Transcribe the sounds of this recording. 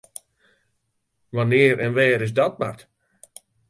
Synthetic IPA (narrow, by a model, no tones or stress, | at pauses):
ʋanɪːɾʔɛnʋɛːɾɪs̬dɔt̚ma̰rt